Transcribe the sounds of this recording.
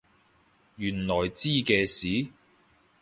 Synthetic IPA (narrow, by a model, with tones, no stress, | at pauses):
jyː˨˩nlɔː˨˩jt͡siː˥kɛː˧siː˨˥